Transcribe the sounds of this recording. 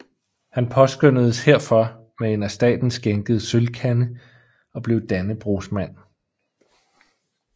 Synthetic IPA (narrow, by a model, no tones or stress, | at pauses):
hænpʰɒ̽sɡ̥øn̰əð̞ˠəshe̝ɐ̰fɒ̽ | mee̝næsd̥ɛ̰ːd̥n̩sɡ̥eŋɡ̥əð̩ˠsølkʰænə | ɒ̽b̥le̝ʊd̥ænəb̥ʁo̝smæn̰